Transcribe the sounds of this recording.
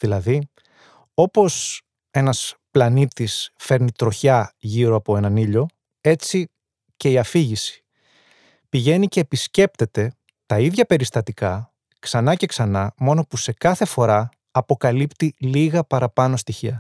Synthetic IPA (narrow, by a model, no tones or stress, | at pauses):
ðilɐði | o̞po̞s | e̞nɐsplɐnit̪isfe̞ɾnit̪ɾo̞çɐʝiɾo̞ɐpo̞e̞nɐniʎo̞ | e̞t͡si | ce̞iɐfiʝisi̥ | piʝe̞nice̞ːpisce̞p̚t̪e̞t̪e̞ | t̪ɐiðʝɐpe̞ɾist̪ɐt̪ikɐ | ksɐnɐce̞ksɐnɐmo̞no̞puse̞kɐθe̞fo̞ɾɐ | ɐpo̞kɐlipt̪iliɣɐpɐɾɐpɐno̞st̪içiɐ